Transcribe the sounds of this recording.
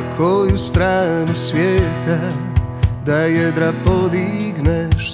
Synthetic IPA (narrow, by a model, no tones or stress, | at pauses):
kʰojust̪ɾaːnusvʲjeːt̪a | d̪ajɛd̪ɾapod̪iɡnɛʃ